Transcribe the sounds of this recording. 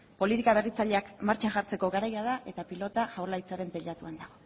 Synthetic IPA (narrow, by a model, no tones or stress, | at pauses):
po̞lit̪ikaβe̞rit͡saʎe̞akmaɾt͡ʃaʝaɾt͡se̞ko̞ɣaɾajað̞aʔe̞t̪apilo̞t̪aʝawlajt͡saɾe̞mpeʎat̪uand̪aɣo̞